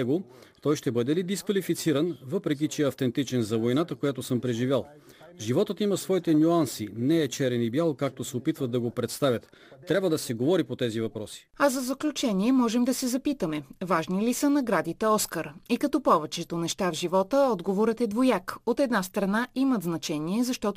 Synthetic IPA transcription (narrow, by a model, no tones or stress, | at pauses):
ɛɡot̪ɔjʃt̪ɛbɤd̪ɛlid̪iskvɐlifit̪siɾənvɤpɾɛk̬ʲit͡ʃɛɛɐft̪ɛnt̪it͡ʃɛnzɐvojnat̪əkojat̪osəmpɾɛʒivʲjalˠ | ʒivɔt̪ət̪iməsvɔit̪ɛnʲuansinɛːt͡ʃɛɾɛnibjalˠkak̚t̪osɛopit̪vət̪d̪ɐɡopɾɛt̪st̪avʲət̪ː | ɾʲabvəd̪ɐsɛɡovɔɾipot̪ɛzivɐpɾɔsi̥ɐzɐzɐklʲut͡ʃɛniɛmɔʒɛmd̪ɐsɛzɐpit̪əmɛvaʒnilisənɐɡɾad̪it̪ɛɔskəɾikɐt̪ɔpɔvɛt͡ʃɛt̪onɛʃt̪avʒivɔt̪əɔd̪ɡovoɾət̪ɛd̪vojakot̪ɛd̪nast̪ɾɐnaʔimət̪znɐt͡ʃɛniɛzɐʃt̪ɔt̪